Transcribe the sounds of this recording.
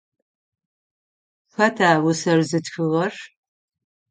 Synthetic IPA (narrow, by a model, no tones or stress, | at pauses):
xɐtʰaːwʊsɐrzɨtxɨʁɐr